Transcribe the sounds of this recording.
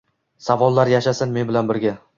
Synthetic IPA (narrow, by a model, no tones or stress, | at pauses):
savɒlˠːaɾjaʃasɪnme̞nbɪlanbɪɾɡʲa